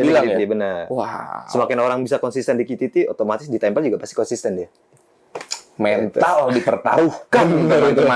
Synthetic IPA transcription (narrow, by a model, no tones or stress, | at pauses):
iilat̪idiabənərwahsəmakɪnoɾaŋbisakɔnsist̪ɛndikit̪it̪iot̪omat̪ɪsdit̪ampəld͡ʒuɡapast̪ikɔnsist̪ɛndia | mɛnt̪aldipərt̪a̰ɾuhkanəɾit̪uma